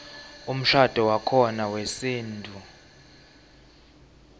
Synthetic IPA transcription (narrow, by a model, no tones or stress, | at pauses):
um̩ɬad̥ʱɔwakʰɔnawesiːntʼu